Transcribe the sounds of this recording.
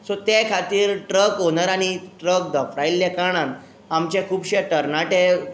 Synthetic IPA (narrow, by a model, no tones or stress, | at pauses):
sot̪ekʰat̪iːɾʈɾəkɦonaɾaɽ̃iʈɾək̚d̪əfɾailːjakaɽ̃ãn | amt͡ɕãkʰuːbɕeʈəɾnaʈe